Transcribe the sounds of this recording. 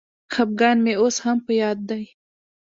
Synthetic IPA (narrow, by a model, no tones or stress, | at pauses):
xap̚ɡɑnmeoshampəjɑd̪ːaj